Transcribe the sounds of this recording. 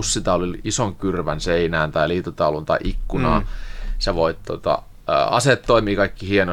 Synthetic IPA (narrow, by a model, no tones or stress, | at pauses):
ussit̪æoliisoŋkyrʋænseinæːnt̪ɑiliːt̪ot̪ɑulunt̪ɑiʔikːunɑ̰ːseʋoit̪t̪o̰t̪ɑ̰ | ə̰ːɑset̪ːoimiːkɑikːihieno